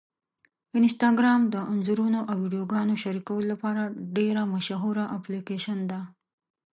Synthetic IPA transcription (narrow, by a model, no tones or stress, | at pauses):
ɪnsʈɑɡɾɑmd̪əʔʊnzuɾunoʔawːiɖijoɡɑnoʃaɾikawəlolapɑɾaɖeɾamaʃaɦuɾaʔaplikeʃand̪a